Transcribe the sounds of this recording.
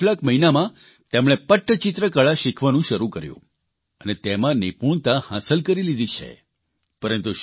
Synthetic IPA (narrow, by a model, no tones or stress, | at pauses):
lakməɦinamã | t̪emɽ̃epəʈʰːət͡ʃɪt̪ɾəkəɭaʃikʰʋanũʃəɾukəɾjṵ̃ | ənet̪emãnipuɳ̃t̪ahãsəlkəɾilid̪it͡ʃʰḛ | pəɾənt̪uʃ